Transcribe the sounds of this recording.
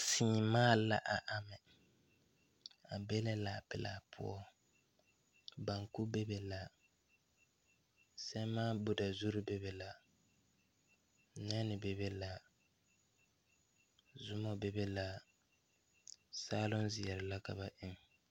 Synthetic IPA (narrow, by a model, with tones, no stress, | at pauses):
sɪ˨ɲɪ˨maː˦la̰˨ʔa˨ʔa˨mɛ˨ | a˨be˦lɛ˦la˨pɪ˨la̰˨pʰʊ̰˦ɔ˦ | ba˨ŋku˦be˦be˨la˨ | sɛ˦maː˦bʊ˨da˨zu˦ɾʊ˦bɛ˦be˨la˨ | nɛ˦nɪ˨bɛ˨be˦la˨ | zʊ˦mɔ˦be˨be˦la˨ | saː˦lʊ˦nzɪ˨ɛ˨ɾɪ˨la˦ka˨ba˨ʔɪ˦ŋ˨